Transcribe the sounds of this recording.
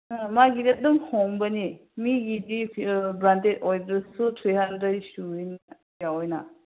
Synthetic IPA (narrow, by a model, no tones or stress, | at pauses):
maɡiɾet̚duŋhombɐnimiɡidibɾantetojbɾɐsutʰɾiɦandɾedstuin | jawojnɐ